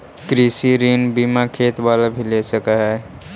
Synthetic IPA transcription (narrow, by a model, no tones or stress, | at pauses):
kɾiːsiɾiːnbiːmakʰeːt̪baːlabʱilesəkaɦɛː